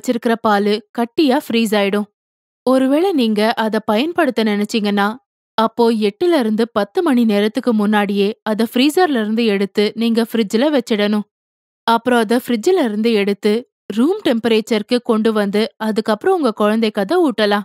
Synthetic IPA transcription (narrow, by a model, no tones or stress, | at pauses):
t͡ʃːɪɾɯkːɪɾɐpaːlɯkɐʈːɪjaːfɾiːs̬aːjɪɽɯ̃ | ɔɾɯʋeːɭɐniːŋɡɐʔɐðɐpɐjɐnpɐɽɯt̪ːɐnɪnɛt͡ʃːɪŋɡɐnːaː | ɐpːoːɛʈːɯlɐɪɾɯnd̪ɯpɐt̪ːɯmɐɳineːɾɐt̪ːɯkːɯmʊnːaːɽɪjeːɐðɐfɾiːsɐɾlɪɾɯnd̪ɯɛɽɯt̪ːɯniːŋɡɐfɪɾɪd͡ʒɪlɐʋɛt͡ʃːɪɽɐnʊ̃ | ɐpːɯɾõːɐðɐfɾɪd͡ʒɪlɐɪɾɯnd̪ɯɛɽɯt̪ːɯ | ɾuːmʈɛmpɐɾeːt͡ʃɐɾkɯkɔɳɖɯʋɐnd̪ɯɐðɯkːɐpːɯɾɔ̃ʊŋɡɐkɔɻɐnd̪ɛɪkːɐðɐuːʈːɐlãː